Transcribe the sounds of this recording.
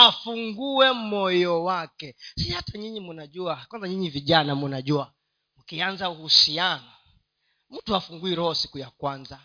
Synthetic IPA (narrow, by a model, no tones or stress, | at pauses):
afuŋɡuwɛmɔjɔwakɛsihataɲiɲimunaʄuakwanzaɲiɲiviʄanamunaʄua | mukianzauhusianɔ | m̩tuafuŋɡuiɾɔhɔsi̥kujakwanza